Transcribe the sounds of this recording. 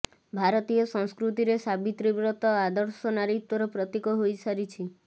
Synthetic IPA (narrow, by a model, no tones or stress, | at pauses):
bʱaɾɔt̪ijɔsɔ̃ŋskɾut̪iɾesabit̪ɾibɾɔt̪ɔad̪ɔɾsɔnaɾit̪wɔɾɔpɾɔt̪ikɔɦojsaɾit͡ʃʰi